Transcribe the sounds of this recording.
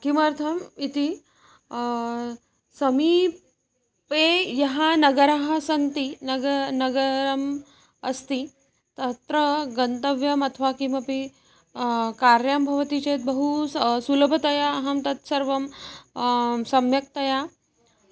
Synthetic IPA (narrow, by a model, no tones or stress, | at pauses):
kimɐɾt̪ʰɐmit̪i | sɐmi | pejɐɦanɐɡəɾaɦasɐnt̪inɡnɐɡəɾɐm | ɐst̪i | t̪ɐt̪ɾəɡɐnt̪əʋjɐmɐt̪ʰʋakimɐpi | kaɾjambʱɐʋt̪it͡ɕet̪̚bəɦussuləbʱət̪ɐjaːɦɐmt̪ɐt̪sɐɾʋɐm | sɐmjək̚t̪ɐja